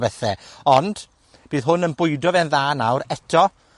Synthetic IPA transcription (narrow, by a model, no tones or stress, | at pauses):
vɛθɛɔnd̥ | b̥iːðɦʊnənbʊjdɔvɛnðaːnawɾɛtʰɔ